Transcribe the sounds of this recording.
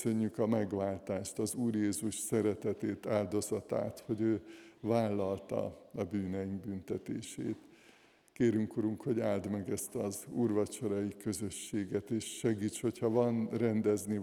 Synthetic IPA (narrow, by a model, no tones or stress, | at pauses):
sø̞ɲːykɒmɛɡʋaːlt̪aːʃt̪ɒzuːrjeːzuʃsɛɾɛt̪ɛt̪eːt̪aːld̪o̞zɒt̪a̰ːt̪ho̞ɟøːvaːlːɒlt̪ɒ̰ɒbyːnɛjiŋɡbynt̪ɛt̪ḛːʃḛːt̪ | keːɾyŋkuɾuŋkho̞ɟaːld̪mɛɡɛst̪ɒzuːrvɒt͡ʃo̞ɾɒjikø̞zøʃːeːɡɛt̪eːʃːɛɡiːt͡ʃho̞chɒvɒnrɛnd̪ɛzni